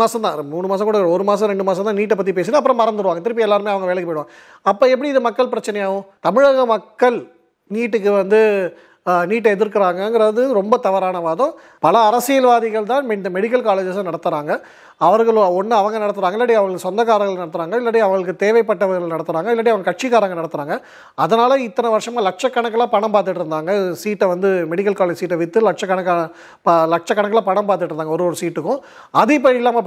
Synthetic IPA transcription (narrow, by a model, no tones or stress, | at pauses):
aːsɐ̃t̪ãːmuːɳɯmaːsɐ̃ŋkuɽɐɔɾɯmaːsɐ̃ɾɛɳɖɯmaːsɐ̃nt̪ãːniːʈːɛp̬ːɐt̪̬ːipeːs̬ɯnɯɐpːɯɾɔ̃mɐɾɐnd̪ɯɾɯʋaːŋɡɐt̪ɪɾɯp̬ːiɛlːaːɾɯmeːɐʋɐŋɡɐʋeːɭɐkːɯpːoːɪɽɯʋaː | ɐpːoːɛp̬ːɐɽiɪðɯmɐkːɐɭpɪɾɐt͡ʃːɐnɐjaːʋʊ̃t̪ɐmɪɻɐɣɐmɐkːɐɭ | niːʈːɯkːɯʋɐnd̪ɯ | niːʈːɐɛðɪɾkːɪɾaːŋɡɐŋɡɐɾaːðɯɾɔmbɐt̪ɐʋɐɾaːnɐʋaːðɔ̃ | pɐlɐːɾɐsɪjɐlʋaːðɪɣɐɭt̪ãːnmɛmɛɽɪk̬ːɐlkaːleːd͡ʒɐsɐ̃nɐɽɐt̪ːɯɾaːŋɡɐ | ɐʋɐɾɣɐɭɔnːɯɐʋɐŋɡɐnɐɽɐt̪ːɯɾaːŋɡɐɛlːɐʈiɐʋɐŋɡɐɭsɔnd̪ɐkaːɾɐɡɐɭnɐɽɐt̪ːɯɾaːŋɡɐɪlːɐʈːiɐʋɐŋɡɐɭɯkːɯt̪eːʋɐɪpːɐʈːɐʋɐɾɣɐɭnɐɽɐt̪ːɯɾaːŋɡɐɪlːɐʈ̬ːiɐʋɐŋɡɐɭkɐʈ̚t͡ʃiɣaːɾɐŋɡɐnɐɽɐt̪ːɯɾaːŋɡɐ | ɐðɐnaːlɐɪt̪ːɐnɐʋɐɾʂɐmaːlɐk̚ʂɐkːɐɳɐkːɐlaːpɐɳɐmpaːɾt̪ɯʈːɪɾɯnd̪aːŋɡɐsiːʈːɐʋɐnd̪ɯmɛɽɪk̬ːɐlkaːleːd͡ʒsiːʈːɐʋɪt̪ːɯlɐk̚ʂɐkːɐɳɐkːa | plɐk̚t͡ʃɐkːɐɳɐkːɐlaːpɐɳɐmpaːɾt̪ɯʈːɾɯnd̪aːŋɡɐɔɾɯɔɾɯsiːʈːɯkːʊ̃ | ɐðɯɪp̬ːɐɪlːaːmɐ